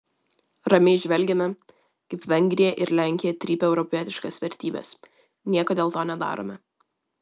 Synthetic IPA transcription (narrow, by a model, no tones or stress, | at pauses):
ɾɐmʲɪɪʒʲʋʲɛlʲɡʲɛmʲɛ | kɐɪpʋʲɛŋʲɡʲɾʲɪjɛʔɪɾlʲæˑŋʲkʲɪjɛt̪ʲɾʲiːpʲɛʊɾɔpʲiɛt̪ʲɪʃkɐsʋʲɛɾʲt̪ʲiːbʲɛ̰s | nʲiɛkoːd̪ʲeːlˠt̪oːnʲɛd̪ɑ̰ːɾo̰mʲɛ